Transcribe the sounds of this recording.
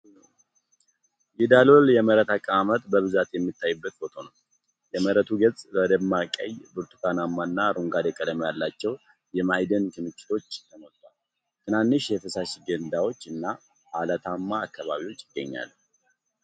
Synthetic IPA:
jɛd̪alo̞ljɛməɾət̪akʼːəamət̪ʼbəβɨzat̪jɛmːɨt̪ʰːajɨbːət̪fo̞t̪ʰo̞nəw | jɛməɾət̪ʰuɡət͡sʼbəd̪əmːakʼə̰jbɨɾt̪ʰu̥kʰanamːanːaɾuŋɡad̪ekʼəd̪əmjalːat͡ʃːɛw | jɛmajd̪ənkʰɨmɨt͡ʃʼːɪ̥t̪ʰo̞t͡ʃːt̪ʰəmot̪ʼːal | t̪ʰɨnanːɨʃjɛfɨsaʃiɡənd̪awo̞t͡ʃːɨnːa | ʔalət̪ʰamːaːkːaβa̰βiwo̞t͡ʃːɪɡ̥ːəɲːa̰lː

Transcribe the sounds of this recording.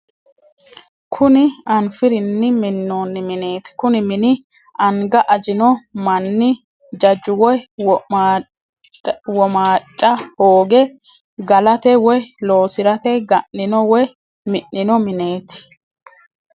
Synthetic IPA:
kʰʊnɪɐnfɪɾɪnːɪmɪnːoːnːɪmɪne̞ːt̪ɪ̥kʊnɪmɪnɪ | ɐŋɡɐʔɐd͡ʒɪnɔmɐnːɪ | d͡ʒɐd͡ʒʊwɔj | wɔmaːt͡ʃʼːɐhoːɡɛ | ɡɐlɐt̪ɛwɔjlo̞ːsɪɾɐt̪ɛɡɐnːɪnɔwɔj | mɪʔːɪnɔmɪne̞ːt̪ɪ̥

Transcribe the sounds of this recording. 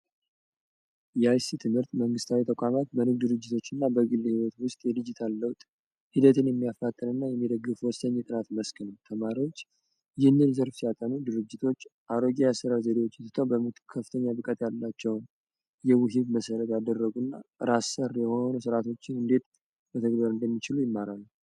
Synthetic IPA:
jɛajsit̪ʰɨmhɨɾt̪məŋɡɨst̪ʰawit̪ʰəkʷʼamat̪bənɨɡ̚d̪ɨɾɨd͡ʒːɪt̪ʰo̞t͡ʃːɨnːabəɡɨlːhiwɔt̪wʊst̪ʼjɛd̪id͡ʒit̪ʰalːəwt̪ʼ | hid̪ət̪ʰɨnjɛmːijafːat̪ʼːənɨnːajɛmːid̪əɡːɨfwɔst̪əɲːɛt̪ʼɨnat̪məskʰɨnəwt̪ʰəmaɾiwo̞t͡ʃː | jɪhnːɨlzəɾfsijat̪ʼənud̪ɨɾɨd͡ʒːɪt̪ʰo̞t͡ʃːʔaɾoɡijasɨɾazed̪ewo̞t͡ʃːɛt̪ɨt̪ʰəwbəmɨt̪kʰəfːɨ̥t̪ʰəɲːabɨkʼət̪jalːat͡ʃːɛwn | jɛwɨɦiβməsəɾət̪jad̪ərːəɡunːa̰ɾasərːjɛho̞nusɨɾat̪ʰo̞t͡ʃːɪnɨnd̪e̞t̪ | bət̪ʰəɡbəɾɨnd̪əmːit͡ʃɪlujɪmːaɾalːu

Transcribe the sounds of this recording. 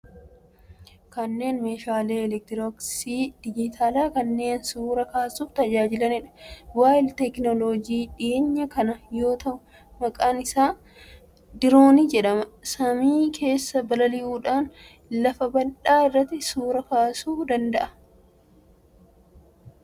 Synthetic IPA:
kɐnːe̞ːnmeːʃaːleːɛlɛk̚t̪ɪɾoksiːd̪̥ɪd͡ʒɪt̪ʰaːlaːkɐnːe̞ːnsuːɾɐkaːsuːft̪ɐd͡ʒaːd͡ʒɪlɐnɪᶑɐ̥waːjɪlt̪ɛknɔlod͡ʒiːᶑɪːɲːɐkɐnɐjo̞ːt̪ɐʔʊ | mɐkʼaːnɪsaː | d̪ɪɾo̞ːnɪd͡ʒɛᶑɐmɐsɐmiːkʰe̞ːsːɐbɐlɐlɪʔuːᶑaːn | lɐfɐbɐnᶑaːɪrːɐt̪ːɪsuːɾɐkaːsuːd̪ɐnd̪ɐʔɐ̥

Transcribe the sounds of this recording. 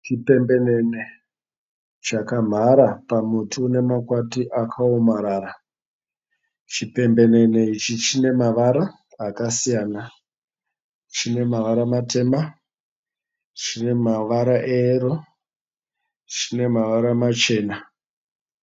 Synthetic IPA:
t͡ʃipe̞mbe̞nene̞ | t͡ʃakam̤aɾapamutʰune̞makwatiʔakʰaomaɾaːɾa | t͡ʃipe̞mbe̞ne̞ne̞it͡ʃit͡ʃine̞maʋaɾaː | kasijaːna | t͡ʃine̞maʋaɾamate̞ːma | t͡ʃine̞maʋaɾaʔeɾo | t͡ʃine̞maʋaɾamat͡ʃe̞ːna

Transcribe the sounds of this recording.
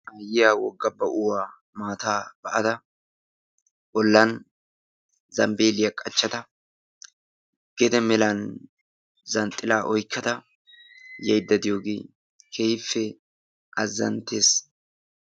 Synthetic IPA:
ʔɐjɪjaːwɔɡːɐbːɐʔʊwaː | maːt̪aːb̥ɐʔɐd̪ɐ | ʔɔlːan | zɐmbe̞ːlɪjɐkʼːɐt͡ʃːɐt̪ɐ | ɡ̥ɛd̪ɛmɛlan | zɐnt̪ʼːɪlaːʔɔjkːɐt̪ɐ | jɐjd̪ːɐd̪ɪjoːɡeː | kʰejfːɛ | ʔɐzːɐ̰nt̪ːeːs

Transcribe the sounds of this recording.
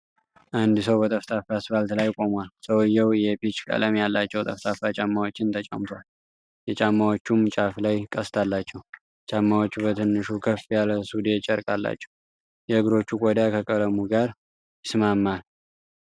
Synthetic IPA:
ʔand̪ɨsəwbət̪ʼəft̪ʰʼafasbalt̪lajkʼo̞mwalsəwɨjːɛwjɛpit͡ʃkʼə̰ləmjalːat͡ʃːɛwt̪ʼəft̪ʰʼafat͡ʃʼamːawot͡ʃːɪnt̪ʰət͡ʃʼa̰mt̪ʰwal | jɛt͡ʃʼamːawot͡ʃːumːt͡ʃʼaflajkʼəst̪ʰalːat͡ʃːɛw | t͡ʃʼamːawo̞t͡ʃːbət̪ʰɨnːɨʃukʰəfijaləsud̪et͡ʃʼəɾkʼalːa̰t͡ʃːɛw | jɛɨɡɾo̞t͡ʃːukʼod̪akʰəkʼələmuɡaɾ | sɨmamːal

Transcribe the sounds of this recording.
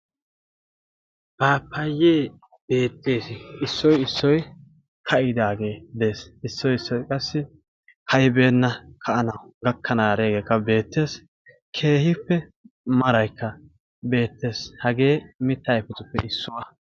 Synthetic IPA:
b̥aːpːɐjːeː | b̥e̞ːt̪ːe̞ːsɪsːɔjɪsːɔj | kʰɐʔɪd̪aːɡe̞ːd̪e̞ːsɪsːɔjɪsːɔjkʼɐsːɪ | hɐjbe̞ːnːɐkʰɐʔɐnɐwʊɡɐkʰːɐnaːɾeːɡe̞ːkːɐbe̞ːt̪ːe̞ːs | kʰe̞ːhɪpːɛmɐɾɐjkːɐ | be̞ːt̪ːe̞ːshɐɡe̞ːmɪt̪ːɐjpʊt̪ʼʊpːɛɪsːʊwɐ

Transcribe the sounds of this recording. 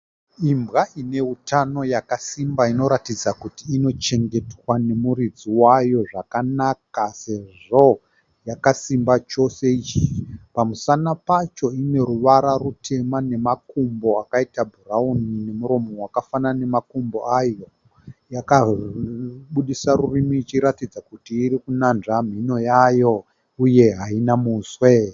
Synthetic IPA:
imbɣaine̞utʰano̞jakasimbaino̞ɾatid͡zakutiːno̞t͡ʃe̞ŋɡe̞twane̞muɾid͡ziwajo̞ʐakanakase̞ʐo̞ | jakasimbat͡ʃo̞se̞it͡ʃipamusanapat͡ʃo̞ine̞ɾuʋaɾarutʰe̞mane̞makumbo̞akaitabʱuraunine̞muɾo̞mo̞wakafanane̞makombo̞ajo̞ | jaka | ɓuɗisaɾurimiːt͡ʃiɾatid͡zakutiːɾikunanʐam̤ino̞jajo̞ | uje̞ɦainamuswe

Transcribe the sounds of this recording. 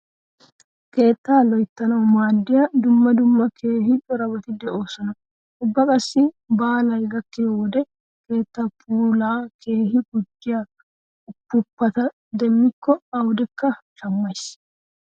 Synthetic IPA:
ke̞ːt̪ːaːlɔjt̪ːɐnɐwmaːd̪ːɪjɐd̪ʊmːɐd̪ʊmːɐkʰe̞ːɦɪᶑɔɾɐbɐt̪ɪd̪ɛʔo̞ːsɔnɐ | ʊbːɐkʼɐsːɪ | baːlɐjɡɐkːɪwɔd̪ɛ | ke̞ːt̪ːɐpʼuːlaːkʰe̞ːhɪɡʊd͡ʒːɪja | ʊpːʊpːɐt̪ɐ | d̪ɛmːɪkːɔɐwd̪ɛkːɐ | ʃɐmːɐjs

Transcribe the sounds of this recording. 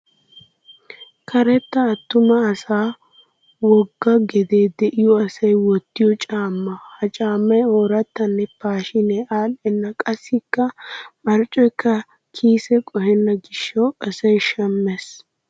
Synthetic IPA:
kʰɐɾɛt̪ːɐːt̪ːʊmɐːsaː | wɔɡːɐɡɛd̪e̞ːd̪ɛʔɪjɔɐsɐjwɔt̪ːɪjɔt͡ʃʼaːmːɐhɐt͡ʃʼaːmːɐjoːɾɐt̪ːɐnːɛpaːʃɪnɛʔaːɗɛnːɐkʼɐsːɪkːɐmɐɾt͡ʃʼɔjkːɐ | kʰiːsɛkʼɔhɛnːɐɡɪʃːɔɐsɐjʃɐmːɛs

